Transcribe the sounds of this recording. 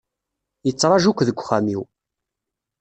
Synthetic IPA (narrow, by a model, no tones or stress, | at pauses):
jət͡sːɾˤɑʒukʷːðəɡʷχamiw